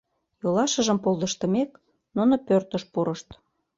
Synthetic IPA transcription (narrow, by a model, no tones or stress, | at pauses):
jolɑʃə̆ʒə̆mpolˠd̪ə̆ʃt̪ə̆mek | nunopørt̪əʃpuɾəʃt̪